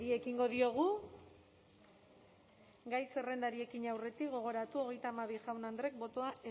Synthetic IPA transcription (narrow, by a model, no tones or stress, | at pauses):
ɾie̞kiŋɡo̞ðio̞ɣ̞u | ɡajse̞re̞nd̪aɾie̞kiɲawre̞t̪ikɡo̞ɣ̞o̞ɾat̪uoɣ̞e̞jt̪aːmaβiʝawnand̪ɾe̞k̚bo̞t̪o̞aʔe